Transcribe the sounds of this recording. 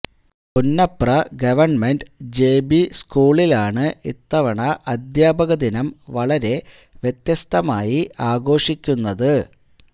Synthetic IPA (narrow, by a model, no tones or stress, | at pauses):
punːɐprɐɡɐʋɐrɳmenɖd͡ʑe̞ːbiskuːɭilaːɳɨit̪ːɐʋɐɳɐʔɐd̪jaːbɐɣɐd̪inɐmʋɐɭɐɾe̞ | ʋjet̪jɐst̪ʰɐmaːjiʔaːɡo̞ːʂikʲːunːɐðɨ